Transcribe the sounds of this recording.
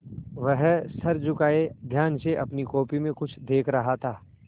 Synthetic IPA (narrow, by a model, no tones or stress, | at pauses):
ʋəɦsɐɾd͡ʒʊkaːed̪ʱjaːnseʔɐpnikoːpimẽkʊt͡ʃʰd̪eːkʰɾɐɦat̪ʰaː